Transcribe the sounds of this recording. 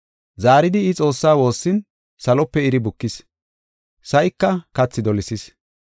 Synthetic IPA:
zaːɾɪd̪ɪːt͡sʼo̞ːsːaːwo̞ːsːɪn | sɐlɔpːɛɪɾɪbʊkːɪs | sɐʔɪkːɐkɐt͡sːɪd̪ɔlɪsɪs

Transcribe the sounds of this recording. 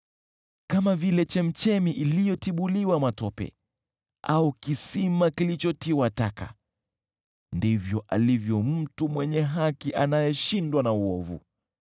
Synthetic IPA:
kamavilɛt͡ʃɛm̩t͡ʃɛmiʔilijɔtiɓuliwamatɔpɛ̰ | aukisimakilit͡ʃɔtiwataka̰ | ndivjɔʔa̰livjɔm̩tumwɛɲɛɦakiʔanajɛʃindwanauɔvṵ

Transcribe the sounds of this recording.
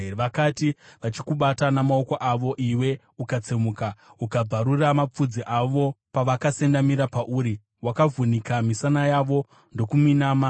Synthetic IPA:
ʋakatiʋat͡ʃikuɓatanamao̞koʔaʋo̞ʔiwe̞ | ukat͡semukaukab͡vaɾuramap͡fud͡ziʔaʋo̞paʋakase̞ndamiɾapaʔuːɾi | wakavunikamisanajaʋo̞ | ndo̞kuminaːma

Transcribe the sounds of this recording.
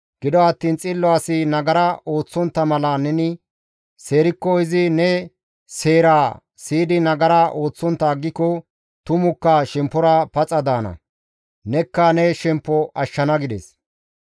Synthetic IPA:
ɡ̥ɪd̪ɔɐt̪ːiːnt͡sʼɪlːɔasɪnɐɡɐɾaʔoːt͡sːɔnt̪ːɐmɐlɐnɛnɪ | se̞ːɾɪkːɔɪzɪnɛ | se̞ːɾaː | siːd̪ɪnɐɡɐɾaʔo̞ːt͡sːɔnt̪ːaːɡːɪkɔ | t̪ʊmʊkːɐʃɛmpːɔɾɐpɐt͡sʼɐd̪aːnɐ̰ | nɛkːɐnɛʃɛmpːɔʔɐʃːɐnɐɡɪd̪ɛ̰s

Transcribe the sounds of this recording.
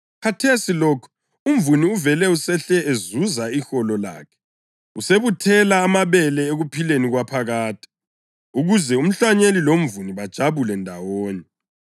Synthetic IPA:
kʰatʰesilɔkʰɔ̥ | um̩vuniuvɛlɛusɛɬɛezuzaixɔlɔla̰ːkʰɛ̥ | useβutʰɛlaːmaβɛlɛeɣupʰileniɣwapʰaɣaːtʰi̥ | uɣuzɛum̩ɬaɲelilom̩vuniβad̥ʒ̥ʱaβulɛndʱawoːɲɛ

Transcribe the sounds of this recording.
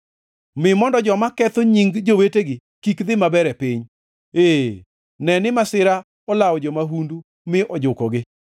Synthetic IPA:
mɪmɔndɔd͡ʒɔmakɛt̪oɲiŋɡd͡ʒoweteɡɪ | kikd̪ɪmabɛɾɛpɪɲ | e | nɛnɪmasɪɾa | ɔlawɔd͡ʒɔmaɦundu | mɪʔɔd͡ʒʊkɔɡɪ

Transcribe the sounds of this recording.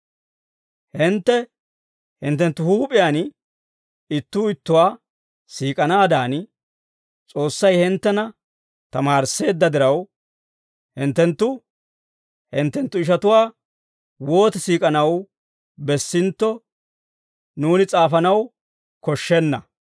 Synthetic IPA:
hɪnt̪ːɛ | hɪnt̪ːɛnt̪ːʊhuːpʼɪjan | ɪt̪ːuːɪt̪ːʊwaː | siːkʼɐnaːd̪aːn | t͡sʼo̞ːsːɐjhɪnt̪ːɛnɐ | t̪ɐmaːɾse̞ːd̪ːɐd̪ɪɾɐw | hɪnt̪ːɛnt̪ːʊ | hɪnt̪ːɛnt̪ːʊɪʃ̬ɐt̪ʊwaː | wo̞ːt̪ɛsiːkʼɐnɐw | bɛsːɪnt̪ːɔ | nuːnɪt͡sʼaːfɐnɐw | kɔʃːɛnːɐ

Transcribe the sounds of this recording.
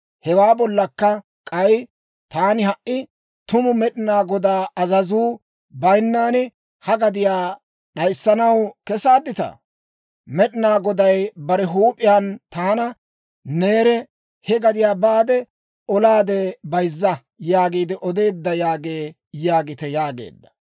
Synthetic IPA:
hɛwaːbɔlːɐkːɐ | kʼɐj | t̪aːnɪhɐʔɪ | t̪ʊmʊmɛɗɪnaːɡɔd̪aːɐzɐzuː | bɐjnːaːnɪ | hɐɡɐd̪ɪjaː | ɗɐjsːɐnɐwkɛsaːd̪ːɪt̪ɐ̰ | mɛɗɪnaːɡɔd̪ɐjbɐɾɛɦuːpʼːɪjaːnt̪aːnɐ | ne̞ːɾɛ | hɛɡɐd̪ɪjaːbaːd̪ɛ | ɔlaːd̪ɛbɐjzːɐ | jaːɡiːd̪ɪʔɔd̪e̞ːd̪ːɐjaːɡeː | jaːɡɪt̪ɛjaːɡḛːd̪ːɐ̥

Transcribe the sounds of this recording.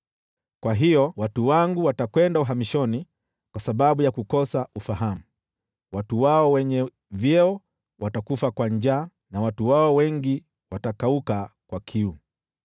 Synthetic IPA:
kwaɦijɔwatuwaŋɡuwatakwɛndauɦamiʃɔni | kwasaɓaɓujakukɔsaufaɦamu | watuwaɔwɛɲɛ | vjɛɔ | watakufakwaɲd͡ʒaː | nawatuwaɔwɛŋɡi | watakaukakwakʰiu

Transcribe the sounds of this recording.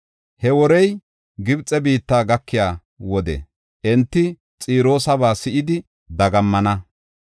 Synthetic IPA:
hɛwɔɾɛj | ɡɪbt͡sʼɛbiːt̪ːaːɡɐkːɪjaː | wɔd̪ɛ̰ | ʔɛnt̪ːɪ | t͡sʼiːɾo̞ːsɐβaːsɪʔɪd̪ɪ | d̪ɐɡɐmːɐnɐ

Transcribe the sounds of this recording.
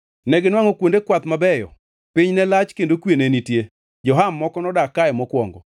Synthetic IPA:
nɛɡɪnwaŋokwondekwat̪mabɛjɔ̰ | pɪɲnɛlat͡ʃkendokwenenitje | d͡ʒɔɦamːɔkɔnɔdakajmɔkwɔ̰ŋɡɔ

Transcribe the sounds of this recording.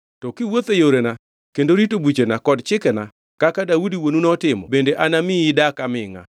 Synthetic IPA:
tɔkɪwot̪ejoɾena | kendoɾitobwit͡ʃenakɔdt͡ʃɪkɛna | kakadaudiwonunɔtɪmɔ̰bendeʔanamɪɪdakamɪŋa̰

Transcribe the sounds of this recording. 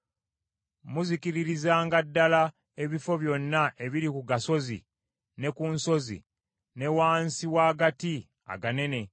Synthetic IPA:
muzikiɾiɾizaːŋɡadːala | e̞βifo̞βjo̞nːaʔe̞βiɾikuɡaso̞zḭ | ne̞kunso̞zḭ | ne̞waːnsiwaːɡati | a̰ɡane̞ne̞

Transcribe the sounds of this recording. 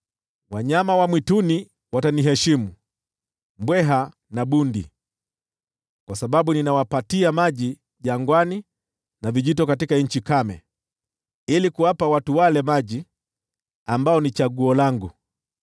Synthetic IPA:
waɲamawamwituni | wataniɦɛʃimu | mbwɛɦa | naɓundi | kwasaɓaɓuninawapatiamaʄi | ʄaŋɡwani | naviʄitɔkatikaɲ̩t͡ʃikamɛ | ilikuwapawatuwalɛmaʄi | ambaɔnit͡ʃaɡuɔlaŋɡu

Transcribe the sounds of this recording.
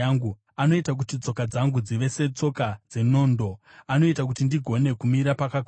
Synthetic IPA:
ŋɡu | ano̞itak̬utit͡so̞kad͡zaŋɡud͡ziʋe̞se̞t͡so̞kad͡ze̞no̞ːndo̞ | ano̞itak̬utindiɡʱo̞ne̞kumiɾapakakː

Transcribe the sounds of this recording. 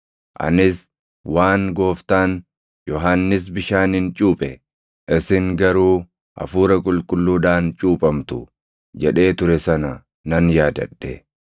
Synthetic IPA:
ʔɐ̰nɪs | waːŋɡo̞ːft̪aːn | jɔɦaːnːɪs̬bɪʃaːnɪnt͡ʃʼuːpʼɛ | ʔɪsɪŋɡɐɾuː | ɐ̰fuːɾɐkʼʊlkʼʊlːuːd̪aːnt͡ʃʼuːpʼɐmt̪ʊ | d͡ʒɛᶑe̞ːt̪ʊɾɛsɐnɐ | nɐnjaːd̪ɐ̰ɗːɛ

